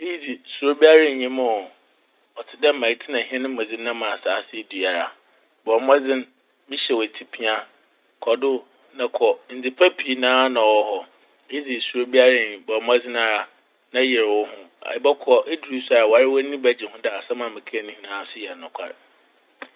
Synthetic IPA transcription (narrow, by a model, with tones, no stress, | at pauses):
e˦ji˦d͡zi˨su˨ɾo˦bi˦a˦ɾã˦˨ɲĩ˦mʊ̃˦˨ | ɔ˨tʰɪ˨dɛ˦m̩˦mã˨i˨˦tʰɪ˦nã˨ɦi˦ɛ̃˦nɪ̃˦m̩˦˨a˨d͡zɪ̃˦n˦nã˦mã˨saː˨˦sɪ˦du˨a˨ɾa̰˨ | bɔ˨m˦ɛ˦d͡zɪ̃˦n | mɪ̃˦ɕɛ˨wɔ˨tʰi˨pʰĩ˦a˦ | kʰɔ˨dʊ˦ | nã˨kʰɔ˨n̩˨d͡zi˨pʰa˦pʰi˦nãː˦nã˨wɔ˦hɔ˨ | e˦ji˦d͡zi˨su˨ɾo˦bi˦a˦ɾa˦˨ɲĩ˨bɔ˨m˦a˦d͡zɪ̃˦n˦a˨ɾa˨ | nã˦jɛ˨ɾwɔ˦hʊ̃˦a̰˨˦bɛ˦kʰɔ˨ʔe˦du˨ɾi˦sa˨a˨wɔ˨a˨ɾɪ˦wɔ˦nĩ˦bæ˨d͡ʑɪ˨hʊ̃˦da˦˨a˨sa˦mã˨mɪ̃˨kʰːnĩ˦hĩ˨nãː˨˦˨sʊ˦jɛ˨nʊ̃˨kʷʰa̰˨ɾ̰